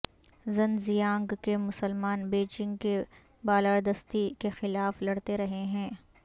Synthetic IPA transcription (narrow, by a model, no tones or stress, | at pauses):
zɐ̃nzijãːŋɡkemʊsəlmaːnbeːt͡ʃɪ̃ŋɡke | baːlaːɾd̪ɐst̪ikexɪlaːflɐɽt̪eɾɐɦeɦɛ̃ː